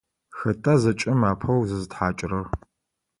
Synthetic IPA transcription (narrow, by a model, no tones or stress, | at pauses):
xɐtʰʼɐzɐt͡ʃʼɪmaːpʰɐwzɨzɨtħaːt͡ʃʼrɐɣ